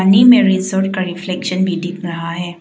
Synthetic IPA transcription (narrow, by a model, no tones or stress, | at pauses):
nimẽɾɪzoːɾʈkaɾɪflɛːkʃənbʱiɖʱɪkɾɐɦaɦɛː